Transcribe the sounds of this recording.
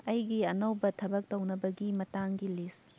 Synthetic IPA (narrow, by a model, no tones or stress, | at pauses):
ɐjɡiɐnɐwbɐtʰɐbɐk̚townɐbɐɡimɐtaŋɡilis